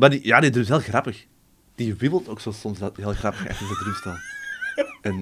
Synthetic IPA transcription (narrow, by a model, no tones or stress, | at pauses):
madija̰ːdidrytɦeːlˠɣrɑpəx | d̥iwɪbəlˠtoːksoːsɔmsdɑɦeːlˠxrɑpəxɛ̰xtəzədrystɛlˠə | ɛn